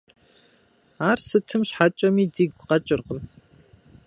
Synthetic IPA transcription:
aːrsɨtʰɨmɕħat͡ʃʼɐmiːdiɡʷqɐt͡ʃʼɪrqəm

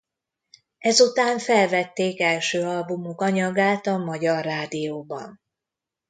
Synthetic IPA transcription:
ɛzut̪aːɱfɛlvɛt̪ːeːkɛlʃøːɒlbumukɒɲɒɡaːt̪ɒmɒɟɒrːaːd̪ijoːbɒ̰n

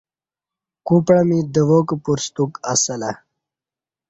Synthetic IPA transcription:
kupɽamid̪əʋokpuɾst̪ukasəla

